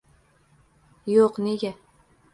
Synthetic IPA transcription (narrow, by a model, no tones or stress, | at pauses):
joqneɡʲa